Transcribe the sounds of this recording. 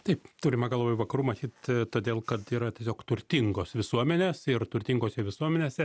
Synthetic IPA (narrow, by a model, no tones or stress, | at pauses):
t̪ɐɪpt̪uːɾʲɪmɐɡɐlˠʋoːjuʋɐkɐɾuːmɐt̪ʲiːt̪t̪oːd̪ʲeːlˠkɐt̪iːɾɐt̪ʲiɛsʲoːkt̪ʊɾʲt̪ʲɪŋɡoːsʋʲɪsuɔmʲɛnʲeːsɪɾt̪ʊɾʲt̪ʲɪŋɡoːsʲɛʋʲɪsuɔmʲɛnʲeːsʲɛ